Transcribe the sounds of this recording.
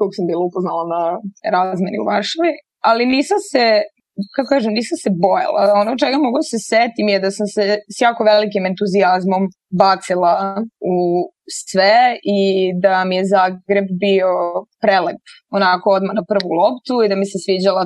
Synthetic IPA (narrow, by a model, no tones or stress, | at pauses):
k̪oko̥sambiːlˠaupoznalˠanaɾaːzmenḭṵʋaɾʃaʋi | aliniːsamse | katkokaːʒemniːsamse̞bo̞ja̰lˠa̰o̞not͡ʃeɡamoɡlod̪aseset̪imjed̪asamsesjaːko̞ʋelikime̞nt̪uziazmo̞m | bat̪silˠau | sʋeid̪amijezaːɡɾe̞bbio̞pɾelek | onako̞od̪manapr̩ʋulˠopt̪uid̪amisesʋiːd͡ʑala